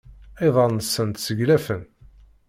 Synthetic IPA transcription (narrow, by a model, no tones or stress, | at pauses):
eðˤɑlnəsːənt̪səʝlæfən